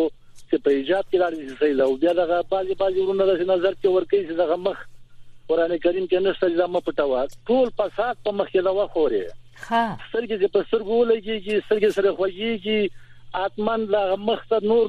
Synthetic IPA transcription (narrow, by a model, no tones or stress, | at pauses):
t͡ʃepəɪd͡ʒɑb̪̚kelɑɽed̪sesaid̪awbjɑd̪aɣabɑzebɑzewɾunad̪asenazaɾkewəɾkaised̪aɣaməxkʊɾɑnekaɾimkenəʂt̪ad͡ʒed̪amapəʈawaʈolfasɑd̪̚pəməxked̪awaxoɾḛ | st̪əɾɡet͡ʃepəst̪əɾɡowəlaɡeɡist̪əɾɡesaɾaxwaɡeɡi | at̪manlaɣaməxt̪anoɾ